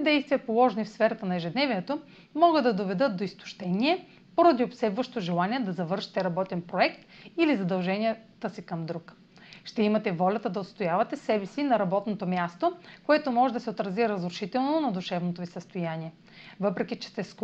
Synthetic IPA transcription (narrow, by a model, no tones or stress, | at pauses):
d̪ɛjst̪vijɐpolˠɔʒɛnifsfɛɾɐt̪ənɐɛʒɛd̪nɛviɛt̪o | mɔɡɤd̪ɐd̪ovɛd̪ɤt̪̚d̪oist̪o̥ʃt̪ɛniɛ | poɾɐd̪iopsɛb̪vɐʃt̪oʒɛlˠaniɛd̪ɐzɐvɤɾʃi̥t̪ɛɾɐbɔt̪ɛnpɾoɛkt̪ilizɐd̪ɐlˠʒɛnʲijət̪əsikɐmd̪ɾuk | ʃt̪ɛimɐt̪ɛvɔlʲɐt̪əd̪ɐot̪st̪ojavɐt̪ɛsɛbɛsinɐɾɐbɔt̪not̪omjast̪okoɛt̪omɔʒɛd̪ɐsɛot̪ɾɐziɾɐzɾʊʃit̪ɛlˠnonɐd̪uʃɛvnot̪ovisəst̪ojaniɛ | vɤpɾɛkʲit͡ʃɛ̥st̪ɛs